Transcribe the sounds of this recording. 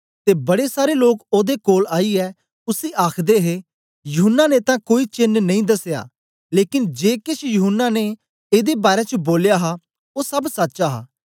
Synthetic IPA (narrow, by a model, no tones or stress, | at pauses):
t̪eːbɐɽesaːɾeloːkoːd̪ekoːlaːiɛː | ʊsiʔaːkʰd̪eɦe | jʊɦʊnːanet̪ãkoːit͡ʃɪnnɐ̃ĩd̪ɐseja̰ː | leːkɪnd͡ʒeːkɪt͡ʃʰjʊɦʊnːane | eːd̪ebaːɾet͡ʃəboːljaːɦa | oːsɐbsɐtːʃaɦa̰ː